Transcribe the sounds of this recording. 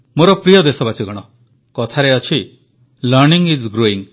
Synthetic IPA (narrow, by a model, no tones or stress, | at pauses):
moɾɔpɾijɔd̪esɔbat͡ʃiɡɔɽ̃ɔ | kɔt̪ʰaɾeɔt͡ʃʰi | lɔɾniŋid͡ʒɡɾoiŋ